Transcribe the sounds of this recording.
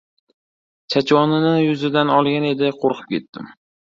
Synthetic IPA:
t͡ʃʰat͡ʃwɒnɪnɪjʊzɪd̪anɒlˠɡʲane̞d̪ɪqʰoɾqʰɨ̥p̚kʲʰe̞t̪ːɪ̰m

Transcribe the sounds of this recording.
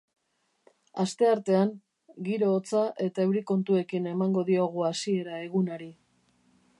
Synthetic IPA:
ast̪e̞aɾt̪e̞aŋ | ɡiɾo̞ːt͡saʔe̞t̪aewɾiko̞nt̪ue̞kine̞maŋɡo̞ðio̞ɣ̞uasie̞ɾae̞ɣunaɾi

